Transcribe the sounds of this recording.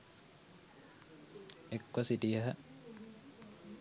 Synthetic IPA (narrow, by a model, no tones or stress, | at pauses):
ekwɐsiʈijəɦə